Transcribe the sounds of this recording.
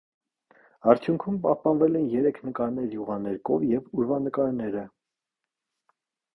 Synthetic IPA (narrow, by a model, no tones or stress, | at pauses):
ɑɾt͡sʰjuŋkʰumpɑhpɑnvɛlɛnjɛɾɛkʰnəkɑɾnɛɾjuʁɑnɛɾkɔvjɛvuɾvɑnəkɑɾnɛɾə